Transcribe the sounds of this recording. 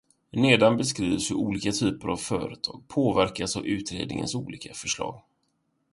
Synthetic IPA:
neːd̪anbɛskɾiːvsɵuːliːkat̪ʰyːpəɾavfœːɾət̪ʰɑːɡ̚pʰoːvæɾkasavʉ̟ːt̪ɾḛːd̪nɪŋə̰nsuːliːkʰafœʂlɑ̰ːɡ

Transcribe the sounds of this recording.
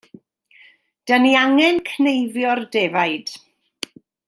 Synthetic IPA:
d̥əniaŋɛnkʰnejvjɔrdɛvajd̥

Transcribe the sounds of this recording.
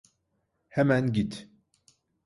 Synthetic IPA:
hɛmænɡit̪

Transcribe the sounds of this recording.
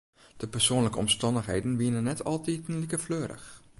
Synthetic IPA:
d̥əpəsoːnləkəɔmstɑndəxɦejdən̩ʋiənənɛtʰɑ̰lˠtitnlikəfløːɾə̰x

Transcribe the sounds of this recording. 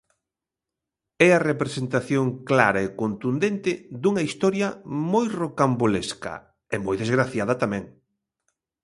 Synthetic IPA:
ɛɐrepɾesent̪aθjoŋkla̰ɾɐekont̪und̪ent̪ɪd̪uŋɐist̪ɔɾjɐmojrokamboleskɐ̰ | emojðezɣɾaθjaðɐt̪amɛ̃ŋ

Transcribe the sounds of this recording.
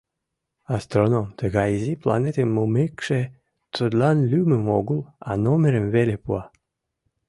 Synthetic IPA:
ɑst̪ronomt̪əɣɑjiziplɑ̰net̪emːumekʃe | t͡s̪ud̪lɑnlʲyməmoɣəlɑnomeɾəmvelepuɑ

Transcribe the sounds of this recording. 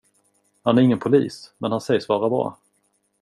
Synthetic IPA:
hanæɾɪŋːənpʰʊlḭːsmɛnhansɛjʂvɑːɾabɾɑ̰ː

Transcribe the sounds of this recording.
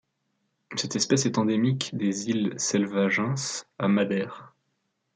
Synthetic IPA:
sɛt̪ɛspɛsɛt̪ɑ̃d̪emikd̪ezilsɛlvaʒɑ̃samad̪ɛʁ

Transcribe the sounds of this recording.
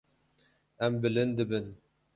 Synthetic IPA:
æmbɪlɘnd̪ɘbɘn

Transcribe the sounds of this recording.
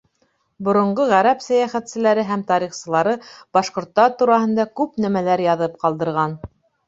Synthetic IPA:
bŏɾŏɴɢoʁæɾæpsæjæχæt̪sɘ̆læɾɘɦæmt̪ɑɾiχsɤ̆lˠɑɾɤb̥ɑʃqŏɾt̪ːɑt̪uɾɑɦɤ̆nd̪ɑkʉpnæmælæɾjɑðɤp̚qɑlˠd̪ɤ̆ɾʁɑn

